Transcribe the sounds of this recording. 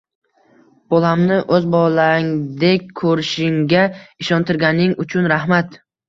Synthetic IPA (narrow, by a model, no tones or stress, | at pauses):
b̥ɒlˠamnɪʔɵzbɒlaŋd̪ekʲkʰɵɾɪʃɪŋɡʲaɪʃɒnt̪ʰɪɾɡʲanɪŋʊt͡ʃʰʊnɾahmat̪